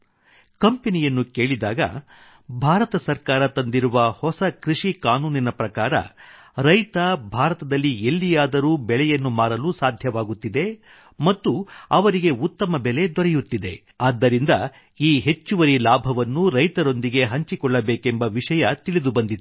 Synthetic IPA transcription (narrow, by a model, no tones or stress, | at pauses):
kɐmpe̞nijɐnːuke̞ːɭid̪aːɡɐ̰ | bʱaːɾɐt̪ɐsɐɾkaːɾɐt̪ɐnd̪iɾuʋɐhɔsɐkɾiʂikaːnuːninɐpɾɐkaːɾɐ̰ɾɐjt̪ɐbʱaːɾɐt̪ɐd̪ɐlːie̞lːijaːd̪ɐɾuːbɛɭɛjɐnːumaːɾɐluːsaːd̪ʱjɐʋaːɡut̪ːid̪e̞ | mɐt̪ːuɐʋɐɾiɡe̞ut̪ːɐmɐbɛle̞d̪ɔɾɛjut̪ːid̪e̞ | aːd̪ːɐɾind̪ɐ | iːɦe̞t͡ʃːuʋɐɾilaːbʱɐʋɐnːuɾɐjt̪ɐɾo̞nd̪iɡe̞ɦɐɲt͡ʃikɔɭːɐbeːkembɐʋiʂɐjɐt̪iɭid̪ubɐnd̪it̪u